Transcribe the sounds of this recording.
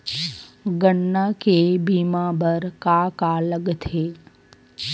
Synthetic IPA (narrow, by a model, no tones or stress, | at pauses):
ɡəɳːakebimãbəɾkakaləɡt̪ʰe